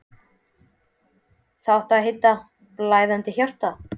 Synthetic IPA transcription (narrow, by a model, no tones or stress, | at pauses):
θaht̪aɦejt̪ːa | laːjðant̪ɪçjar̥t̪a